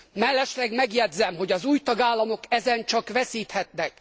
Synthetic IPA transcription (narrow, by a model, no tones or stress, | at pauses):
mɛlːɛʃlɛɡmɛɡjɛd̪zːɛmɦo̞ɟɒzuːjt̪ɒɡaːlːɒmo̞kɛzɛnt͡ʃɒkʋɛsiːt̪hɛt̪nɛk̚